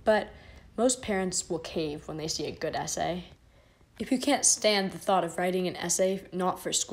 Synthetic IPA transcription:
b̥ʌt̚moʊspʰɛɹɨ̃ntswəlˠkʰeɪvwə̃nðeɪsiɨɡʊɾɛsḛɪ | ɨfjɨkʰæ̃ntstæ̃nðɨθɔɾʌvɹaɪɾɪ̃ŋɨ̃nɛ̰seɪnətfə˞sk

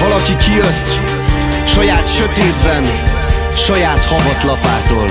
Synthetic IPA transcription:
vɒlɒkikijøt̪ː | ʃɒjaːt̪ʃøt̪eːd̪bɛn | ʃɒjaːt̪hɒbɒt̪lɒpaːt̪oːl

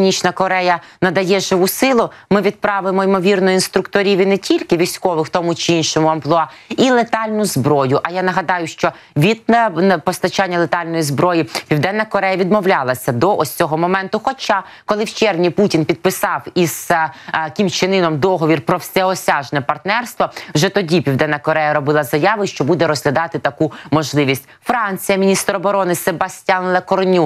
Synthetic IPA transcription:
nʲit͡ʃnɐkɔɾɛjɐnɐd̪ɐjɛʒɪʋusɪlˠʊmɪʋʲid̪̚pɾɑʋɪmɔimɔʋʲirnɔjʊinst̪ɾʊkt̪ɔɾʲiʋʲinɛtʲilʲkɪʋʲisʲkɔʋɪwt̪ɔmʊt͡ʃɪinʃɔmʊɐmplˠɔɑilˠet̪ɑlʲnʊzbɾɔjʊʔɐjanɐɦɐd̪ɑjʊʃt͡ʃɔ | ʋʲid̪pɔst̪ɐt͡ʃanʲːɐlˠet̪ɑlʲnɔjizbɾɔjipʲiwd̪ɛnːɐkɔɾɛjɐʋʲid̪mɔwlʲalˠɐsʲɐd̪ɔʔɔsʲt͡sʲɔɦɔmɔmɛnt̪ʊxɔt͡ʃɑ | kɔlˠɪwt͡ʃɛrʋnʲiputʲinpʲid̪̚pɪsɑwiz̥ | kʲimt͡ʃɪnɪnɔmd̪ɔɦɔʋʲirpɾɔwsʲɛɔsʲɑʒnɛpɐrt̪nɛrst̪ʋɔwʒɛt̪ɔdʲipʲiwd̪ɛnːɐkɔɾɛjɐɾɔbɪlˠɐzɐjɑʋɪʃt͡ʃɔbud̪ɛɾɔzɦlʲɐd̪ɑt̪ɪt̪ɐkumɔʒlˠɪʋʲisʲtʲfɾɑnʲt͡sʲijɐmʲinʲist̪ɾɔbɔɾɔnɪsebɐsʲtʲanlˠɐkɔrnʲu

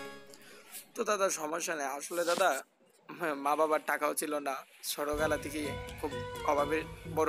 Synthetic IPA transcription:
t̪ot̪ad̪aɾʃɔmoʃːanajaʃoled̪ad̪a | mãbabaɾʈakaot͡ɕʰilonasɔɾoɡalat̪ʰikikʰubɔbʱabibɔɾ

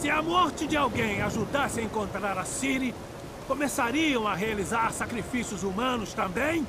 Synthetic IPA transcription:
sɪamɔɾt͡ʃɪd͡ʒɪawɡẽj̃aʒud̪asɪaẽŋkõnt̪ɾaɾasiɾi | komesaɾiɐ̃w̃aɦealizaɾsakɾifisjʊzumɐ̃nʊst̪ɐ̃bẽj̃

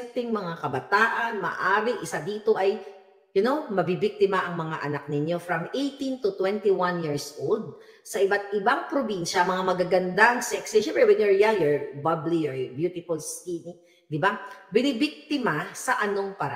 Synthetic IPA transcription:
t̪ɪŋmɐŋakɐbɐt̪aːʔɐnmɐ̰ːʔaːɾɪʔɪsad̪iːt̪o̞ʔɐj | jʊnowmɐbibik̚t̪ɪmɐʔɐŋmɐŋaʔɐnak̚nɪɲjo̞fɾɐmʔejt̪ĩnt̪ut̪wɛnt̪iwanjiɹsʔold̪̚ | sɐʔɪbat̪̚ʔɪbaŋpɾobinʃɐmɐŋamɐɡaɡɐnd̪aɐŋsɛksɪʃɛmbɾɛwɛnjɔɹjajɔɹbɐblijɔɹbjut̪ɪfʊlsinɪ | d̪ɪbabɪnɪbɪk̚t̪ɪmasɐʔɐno̞ŋpɐɾ̰

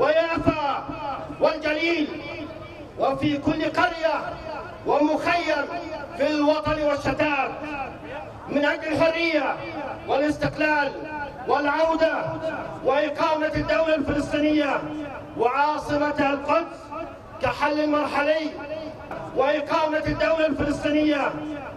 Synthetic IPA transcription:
wajaːfa | wɪld͡ʒaliːl | wɪfikʊlːqɑɾja | wʔɪmʊxajːaɾfɪlwɑt̪ˤɑnwɪʃːat̪aːb̚ | mɪnʔaɡːɪlɦʊrːɪjːa | wɪlɪst̪ɪqlaːl | wɪlʕawd̪awɪʔɪqɑːmad̪ːawlalfɪlɨsˤt̪ˤiːnɪjːa | wɪʕɑːsˤɨmat̪halqɑt̪ˤf | kaħalːalmɑɾˤħalɪj | wɪʔɪqɑːmad̪ːawlalfɪlɨsˤt̪ˤiːnɪjːa

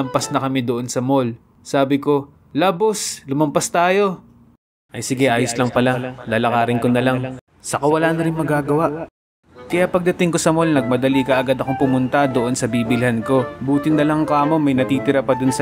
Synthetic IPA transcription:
ɐmpɐsnɐkɐmɛd̪oʔonsɐmo̞l | saːbɪko̞ | lɐboslʊmɐmpɐst̪aːjo̞ | ʔɐjsɪɡɛʔaːjoslɐŋpɐlalaːlɐkaːɾɪnkonɐlaŋ | sɐkɐwɐlaʔnɐɾɪŋmɐɡaːɡɐwaʔ | kɐjaʔpɐɡ̚d̪ɐt̪ɪŋko̞sɐmo̞lnɐɡ̚mɐd̪ɐlikɐʔɐɡad̪ɐkoŋpʊmʊnt̪ɐd̪oʔo̞nsɐbiːbɪlhanko̞buːt̪ɪnɐlɐŋkamo̞mɐjnɐt̪iːt̪ɪɾɐpɐd̪ʊnsɐ

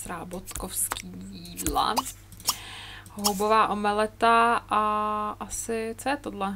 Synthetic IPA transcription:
sɾaːbot̪kofskiːjiːdla̰ | hɦobovaːʔomɛlɛt̪aʔaʔasɪt͡sojɛt̪odlɛ

